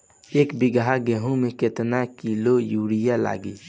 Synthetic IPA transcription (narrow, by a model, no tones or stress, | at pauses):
eːkbɪɡɦaɡɛɦõmẽket̪nakilojuːɽijala̰ːɡiː